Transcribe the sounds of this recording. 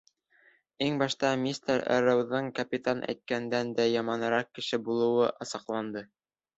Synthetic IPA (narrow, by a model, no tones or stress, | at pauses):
iŋbɑʃt̪ɑmʲist̪ɾæ̰ɾɤ̆wðɤɴkɐpʲit̪anʔæ̰jt̪̚kænd̪ænd̪æjɑmɑnɤ̆ɾɑq̚kːɘ̆ʃɘbulˠɤ̆wɤʔɑsɑqlˠɑnd̪ɤ